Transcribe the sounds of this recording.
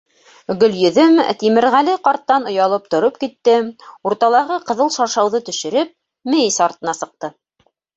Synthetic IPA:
ɡɵ̆ljɵ̆ðɵmt̪imɘ̆ɾʁælɘqɑɾt̪ːɑnŏjɑlˠɤpt̪ŏɾopkit̪ːɘuɾt̪ɑlˠɑʁɤqɤ̆ðɤlˠʃɑʃɑwðɤt̪ɵ̆ʃɘ̆ɾɘp̚ | mɘ̆jɘsɑɾt̪ɤ̆nɑsɤ̆q̚t̪ɤ

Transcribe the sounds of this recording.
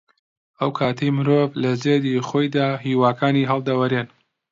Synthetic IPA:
ʔɐwkʰaːt̪ʰɐjmɨɾovlɐzed̪iχojd̪aːhiːwaːkʰaːniɦɐlˠd̪ɐwɐɾen

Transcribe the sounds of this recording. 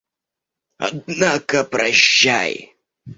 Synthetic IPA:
a̰d̪nakɐpɾɐɕːa̰j

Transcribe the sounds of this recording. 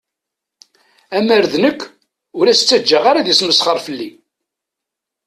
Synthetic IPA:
æməɾðnəkʰː | ʊɾæsət͡sːæd͡ʒːaʁaɾaðisməsχəɾˤfəlːi

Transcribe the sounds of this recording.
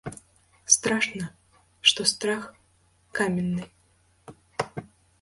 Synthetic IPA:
st̪ɾaʂnɐ | ʂt̪ɔst̪ɾax | kamʲɛnːɨ

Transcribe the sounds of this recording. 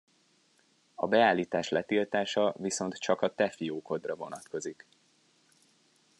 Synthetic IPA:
ɒ̰bɛaːlːiːt̪aːʃlɛt̪ilt̪aːʃɒviso̞nt̪t͡ʃɒkɒt̪ɛfijoːko̞d̪rɒvo̞nɒt̪ko̞zik

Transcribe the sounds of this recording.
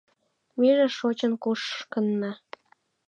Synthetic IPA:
miʒĕʃot͡ɕə̆nkuʃkə̆nːɑ

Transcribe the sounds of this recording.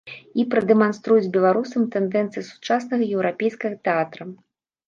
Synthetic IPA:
ipɾɐd̪ɛmanst̪ɾujud͡zʲbʲɛlˠaɾusɐmt̪ɛnd̪ɛnt̪sɨjisu̥t͡ʂasnɐɣɐjɛwɾapʲejskɐɣɐt̪ɛat̪ɾɐ

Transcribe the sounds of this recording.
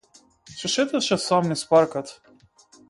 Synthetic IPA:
sɛʃɛt̪aʃɛsamnispaɾkat̪

